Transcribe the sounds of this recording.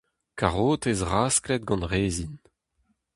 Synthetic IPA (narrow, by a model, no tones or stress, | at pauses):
kaʁoːt̪ezʁaːsklɛt̪̚ɡɑ̃nʁeːzin